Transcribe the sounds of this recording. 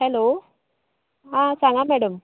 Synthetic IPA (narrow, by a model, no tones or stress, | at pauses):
hɛlo | ɦãt͡sãŋɡamɛɽəm